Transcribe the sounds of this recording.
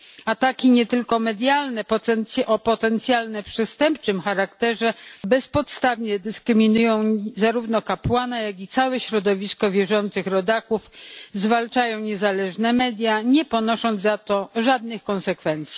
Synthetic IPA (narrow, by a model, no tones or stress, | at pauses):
at̪akʲiɲɛt̪ɘlkɔmɛd̪ʲjalnɛpɔɛnʔɔpɔt̪ɛnt̪sʲjalnɛpʂɛst̪ɛmpt͡ʂɘmxaɾakt̪ɛʐɛbɛspɔt̪st̪avɲɛd̪ɘskɾɘmʲinujɔ̃w̃zaɾuvnɔkapwanajaɡʲit̪sawɛɕɾɔd̪ɔvʲiskɔvʲjɛʐɔnt̪sɘxɾɔd̪akufzvalt͡ʂajɔ̃w̃ɲɛzalɛʐnɛmɛd̪ʲjaɲɛpɔnɔʂɔnd̪zat̪ɔʐad̪nɘxkɔnsɛkfɛnt̪sʲi